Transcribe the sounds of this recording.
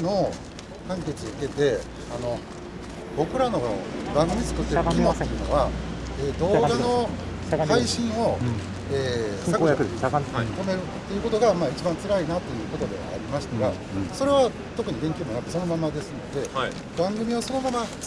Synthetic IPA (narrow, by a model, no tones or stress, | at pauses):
no̞ | kãŋke̞t͡sioke̞t̪e̞ | ano̞ | bo̞kɯ̟ɾano̞bãŋɡɯmʲit͡sɨ̥kɯ̟t̪ːeɾɯiotejɯ̟ːno̰βaeːd̪o̞ːɡano̞ | shaiɕĩɰ̃o̞ | eːsako | t̪o̞me̞ɾɯ̟t̪ːejɯ̟ːko̞t̪o̞ɡamaːit͡ɕibãnt͡sɨɾainat̪ːo̞jɯ̟ːko̞t̪o̞d̪e̞̰a̰ɾʲimaɕi̥t̪aɡa | so̞ɾe̞βa | t̪o̞kɯ̟ɲ̟iɡẽ̞ŋkʲoːmonakɯt̪eso̞no̞mamad̪e̞sɨno̞̰d̪e̞ | bãŋɡɯ̟mʲiβaso̞no̞mama